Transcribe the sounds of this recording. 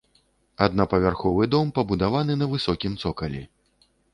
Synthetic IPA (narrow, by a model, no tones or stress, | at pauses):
ad̪nɐpɐvʲarxɔvɨd̪ɔmpɐbud̪avanɨnɐvɨsɔkʲimt̪sɔkɐlʲḭ